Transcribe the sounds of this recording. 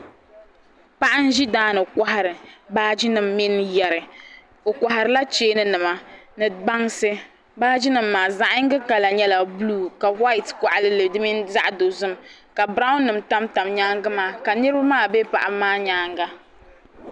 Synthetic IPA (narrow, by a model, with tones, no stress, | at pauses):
pa˦ʔa˦n̩˦ʒi˦daː˦nɨ˨ka˦ɦa˦ɾɨ˨baː˦d͡ʒi˦nɨ˨mːi˦njɛ˨ɾɨ˨ | o˨kʷa˨ha˨ɾɨ˨la˦t͡ʃeː˦nɨ˦nɨ˨ma˨nɨ˨ba˦ŋsɨ˦ | baː˦d͡ʒi˦nɨ˨m̩ːaː˨za˦ʔa˦ŋ̩˦ɡɨ˦ka˨la˨ɲɛ˦la˨bluː˦˨ka˨wa˦i˨tka˨ʔa˨lɨ˦lɨ˨dɨ˦mi˦nza˦ʔdo˨zɨ˦m | ka˨bɾa˦ʊ˦nːɨ˨mta˦mta˨mɲaː˦ŋɡɨ˦maː˦ka˨nɨ˦ɾɨ˦ba˦maː˦˨be˦pa̰˨ʔa˨maː˦ɲaː˦ŋɡa˦